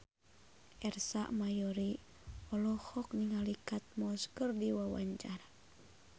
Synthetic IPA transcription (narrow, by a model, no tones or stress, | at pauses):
ʔɛrsa̰ʔmajɔɾi | ɔlɔhɔkniŋalikat̪̚mɔskərdiwawa̰ɲt͡ʃaɾa